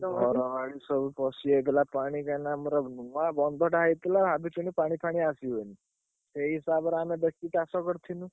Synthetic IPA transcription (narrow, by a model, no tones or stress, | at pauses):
ɦɔɾɔʋaɽisɔbupɔsiejt̪elapaɽ̃ikanamɔɾɔnuabɔnd̪ʱɔʈaɦjt̪laabʱit͡ʃunipaɽ̃ipʰaɽ̃iasiɦojni | seɦisabɔɾamebek̚ʈiʈasɔkɔɾt̪ʰinũ